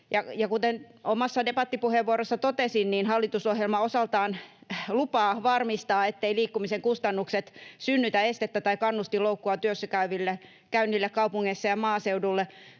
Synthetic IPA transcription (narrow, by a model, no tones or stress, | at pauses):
jɑjɑkut̪en | omɑsːɑdepɑt̪ːipuheʋʋuoɾosːɑt̪ot̪esinniːnhɑlːit̪usohjelmɑosɑlt̪ɑːnlupɑːʋɑrmist̪ɑːet̪ːeiliːkːumiseŋkust̪ɑnːukset̪synːyt̪æest̪et̪ːæt̪ɑikɑnːust̪iloukːuɑt̪yøsːækæyʋilːe | kæynːilːekkɑupuŋːeisːɑjɑmɑːseudulːe